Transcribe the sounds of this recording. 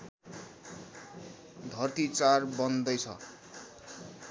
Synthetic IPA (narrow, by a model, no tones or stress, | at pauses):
d̪ʱʌrt̪it͡sarbʌnd̪ʌjt͡sʰʌ̰